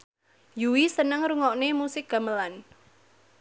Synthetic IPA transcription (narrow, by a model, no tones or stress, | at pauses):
juwisənəŋɾuŋɔʔnemusɪk̚ɡ̥a̤məlan